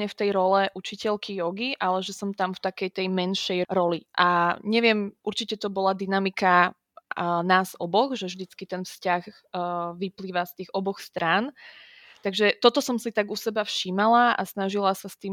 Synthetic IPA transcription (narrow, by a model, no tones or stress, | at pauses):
ɲɛft̪ɛjɾɔlɛʔut͡ʃicɛlkʰijɔɡiʔalɛʒɛsɔmt̪amft̪akɛjt̪ɛjmɛnʃɛjɾɔliʔaɲɛʋɪɛmʔuɾt͡ʃicɛt̪ɔbɔlad̪inamika | naːzɔbɔɣʒɛvʒd̪it͡skit̪ɛnfscaɣ | ʋipliːʋast̪iːɣɔbɔxst̪ɾaːn | t̪aɡʒɛt̪ɔt̪ɔsɔmsit̪aɡusɛbafʃiːmalaʔa̰snaʒilasast̪iːm